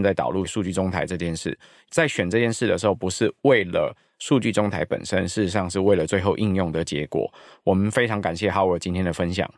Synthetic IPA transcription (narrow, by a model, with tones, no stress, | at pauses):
nt͡sa˥˩ɪt̪ɑ˨ʊlu˥˩ʂu˥˧t͡ɕy˥˩ʈ͡ʂo˥ŋt̪ʰa˧˥ɪʈ͡ʂɤ˥˧t͡ɕjɛ˥˧nʂɻ̩˥˩ | t͡sa˥˩ɪɕɥɛ˨˩nʈ͡ʂɤ˥˧t͡ɕjɛ˥˧nʂɻ̩˥˩d̪ə˩ʂɻ̩˧˥xo˥˩ʊpu˧˥ʂɻ̩˥˧we˥˩ɪlə̰˩ | ʂu˥˧t͡ɕy˥˩ʈ͡ʂo˥ŋt̪ʰa˧˥ɪpə̰˨˩nʂə˦nʂɻ̩˥˩ʂ̩˧ʂɑ˥˧ŋʂɻ̩˥˧we˥˩ɪlə˩t͡swe˥˧ɪxo˥˧ʊʔi˥˧njʊ˥˩ŋd̪ə˩t͡ɕjɛ̰˧˥kwɔ̰˨˩˦wɔ˨˩mə˦nfe˥ɪʈ͡ʂʰɑ˧˥ŋka˨˩nɕjɛ˥˩xɑ˧˥ʊə˞˨˩t͡ɕi˥nt̪ʰjɛ˥nd̪ə˨˩fə˦nɕjɑ̰˨˩˦ŋ